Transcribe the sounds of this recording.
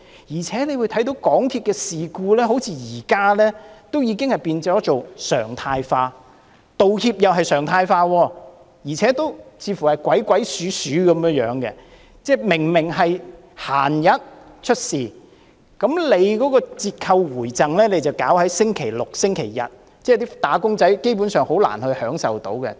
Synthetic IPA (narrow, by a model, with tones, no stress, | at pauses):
jiː˨˩t͡sʰɛː˨˥ne˨˧jwu˨˧jt̪ʰɐ˨˥jt̪o˨˥wkɔː˨˥ŋt̪ʰiː˧p̚kɛː˧siː˨kuː˧lɛː˥ɦo˨˥wt͡sʰiː˧jiː˨˩kaː˥lɛː˥t̪o˥wjiː˨˧kɪ˥ŋhɐ˨jpiː˧nt͡sɔː˨˥t͡so˨wsœ̰ː˨˩ŋt̪ʰaː˧jfaː˧ | t̪o˨whiː˧p̚jɐ˨wɦɐ˨jsœː˨˩ŋt̪ʰaː˧jfaː˧wɔː˧ | jiː˨˩t͡sʰɛː˨˥t̪o˥wt͡sʰiː˨˧fuː˨˩hɐ˨˩jkʷwɐ˨˥jkʷɐ˨˥jsyː˨˥syː˨˥kɐ˨˧˦mjœː˥jœː˨˥ŋkɛ̰˧ | t͡sɛː˥˩mɪ˨˩ŋmɪ˨˩ŋɦɐ˨j | ha̰ː˨˩njɐ˨˥t̚ | t͡ʃʰɵ˥t̚siː˨˩ | kɐ˨˥mle˨˧jkɔː˨˥kɔː˧t͡siː˧t̚kʰɐ˧wwuː˨˩jt͡sɐ˨ŋlɛː˥le˨˧˥jt͡sɐ˨wkaː˨˥whɐ˨˥jsɪ˥ŋkʰe˨˩jlʊ˨k̚sɪ˥ŋkʰe˨˩jːɐ̰˨t̚ | t͡sɛː˥t̪iː˥t̪aː˨˥kʊ˥ŋt͡sɐ˨˥jke˥jpuː˨˥nsœː˨ŋho˨˥wla̰ː˨˩nhɵ˧ɥhœː˨˥ŋsɐ̰˨wt̪o˨˥wkɛ̰˧